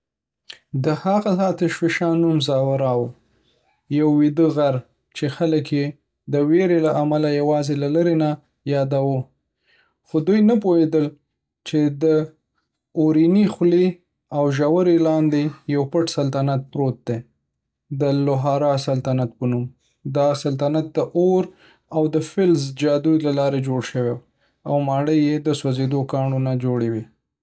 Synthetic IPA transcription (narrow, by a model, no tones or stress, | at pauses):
d̪əhaɣasɑt̪ɪʃfɪʃɑnumzɑwaɾɑw | jawːid̪əɣaɾ | t͡ʃexaləkje | d̪əweɾelaʔamalajawɑzelalaɾena | jɑd̪awə | xod̪ujnap̬ohed̪əl | t͡ʃed̪ə | oɾinixle | awʒawəɾelɑnd̪ejawpəʈsalt̪anat̪̚pɾot̪̚d̪e | d̪əlʊɦɑɾɑsalt̪anat̪̚pənum | d̪ɑsalt̪anat̪̚d̪əʔoɾ | awd̪əfɪlzd͡ʒɑd̪ujlalɑɾed͡ʒoɽʃəwew | awmɑɽəjːed̪əswazed̪okɑɳonad͡ʒoɽewi